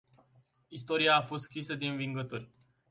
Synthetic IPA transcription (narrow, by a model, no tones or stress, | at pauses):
ist̪o̞ɾiaːfo̞st̪skɾisəd̪e̞ɨnviŋɡət̪orʲ